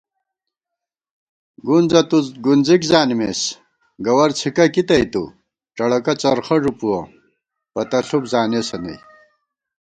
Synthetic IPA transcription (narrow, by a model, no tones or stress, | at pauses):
ɡunzɐt̪uɡunzikzaːnimes | ɡɐwɐɾt͡sʰikɐkit̪ɐjt̪ṵ | ʈ͡ʂɐɽɐkɐt͡sɐɾχɐʐupuwɐ | pɐt̪ɐɬupzaːnesɐnɐ̰j